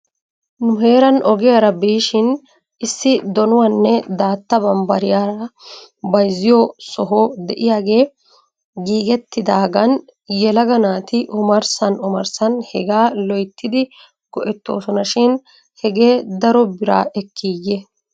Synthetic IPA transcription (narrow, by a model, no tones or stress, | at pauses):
nʊɦe̞ːɾɐnʔɔɡɪjaːɾɐbiːʃɪn | ɪsːɪd̪ɔnʊwɐnːɛd̪aːt̪ːɐbɐmbɐɾɪjaːɾɐbɐjzːɪjɔsɔɦɔd̪ɛʔɪjaːɡe̞ː | ɡiːɡɛt̪ːɪd̪aːɡɐn | jɛlɐɡɐnaːt̪ɪʔʊmɐɾsɐnʊmɐɾsɐnhɛɡaːlɔjt̪ːɪd̪ɪ | ɡ̥ɔʔɛt̪ːo̞̰ːsɔnɐʃɪn | hɛɡe̞ːd̪ɐɾɔbɪɾa̰ːʔɛkʰːiːjːɛ